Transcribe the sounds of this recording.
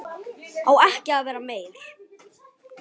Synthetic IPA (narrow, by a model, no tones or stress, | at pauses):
awɛhcɪaðvɛːɾameːjɾ̥